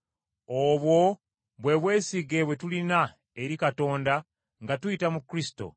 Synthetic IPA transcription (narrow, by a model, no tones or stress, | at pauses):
oβwo̞ | βwe̞βwe̞ːsiɡe̞βwe̞tulina | eɾikato̞ːnda | ŋɡatuitamukɾisi̥to̰